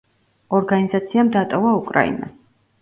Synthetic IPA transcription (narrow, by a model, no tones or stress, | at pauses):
ɔɾɡanizat̪sʰiamd̪at̪ʼɔvaukʼɾa̰ḭna̰